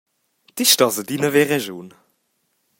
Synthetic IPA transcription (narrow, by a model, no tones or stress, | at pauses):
d̥iʃtɑzədinəvɛʁɛʒuːn